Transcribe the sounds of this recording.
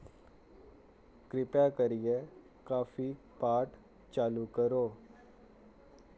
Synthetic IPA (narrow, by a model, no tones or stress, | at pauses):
kɾɪpjakəɾije | kaːfi | paːʈ | t͡ʃaːlukəɾoː